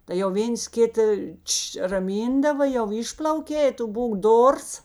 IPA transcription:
tɐɪ jɛʊ ˈʋʲeːns ˈkʲɪtɐ ˈtʃ rɐˈmʲiːndɐʋɐ jɛʊ ˈɪʃplˠɐʊkʲeː ɪ ˈtʊ ˈbuːk ˈdoːrs

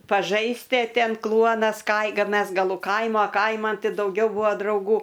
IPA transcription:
pɐˈʒɐɪsʲtʲɪ ɐ ˈtʲɛn ˈklˠuɔnɐs kɐɪ kɐ ˈmʲɛs ɡɐˈlˠʊ ˈkɐɪmoː ˈkɐɪmɐn ˈtʲɪ dɐʊˈɡʲɛʊ ˈbʊɐ drɐʊˈɡuː

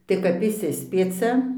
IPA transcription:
tɐɪ kɐp ɪʃʲˈsʲɪsʲpʲiɛt͡sʲɛ

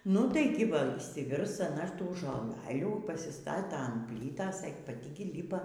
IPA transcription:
ˈnʊ tɐɪ ˈɡʲɪ ˈʋɐ ɪʃʲsʲɪˈʋʲɪrs ɐˈnɐ ˈtuː ʒoːˈlˠɑːlʲuː pɐsʲɪˈstɑːtɐ ɐn ˈpʲlʲiːtɐs ɛ pɐˈtʲɪ ˈɡʲɪ ˈlʲiːpɐ

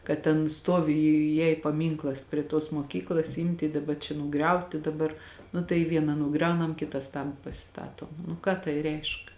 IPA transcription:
kɐt tʲɛn ˈstoːʋʲɪ ˈjɛɪ pɐˈmʲiːŋklˠɐs pʲrʲiɛ toːs moːˈkʲiːklˠɐs ˈɪmʲtʲɪ dɐˈbɐ t͡ʃʲɛ nʊˈɡrʲɛʊtʲɪ dɐˈbɐr nʊ tɐɪ ˈʋʲiɛnɐ nʊˈɡrʲɛʊnɐm ˈkʲɪtɐs tɐn pɐsʲɪˈstɑːtoː nʊ ˈkɑː tɐɪ ˈrʲɛɪʃk

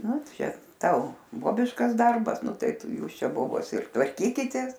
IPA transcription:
ˈnʊ ˈt͡ʃʲɛ ˈtɐʊ ˈboːbʲɪʃkɐs ˈdɐrbɐs ˈnʊ ˈtɐɪ ˈtʊ ˈjuːs ˈt͡ʃʲɛ ˈboːboːs ɪr tʋɐrʲˈkʲiːkʲɪtʲeːs

